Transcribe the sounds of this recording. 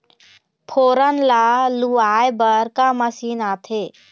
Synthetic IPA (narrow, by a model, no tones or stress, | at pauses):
pʰoːɾənlaluaːjbəɾkaməsiːnaːt̪ʰeː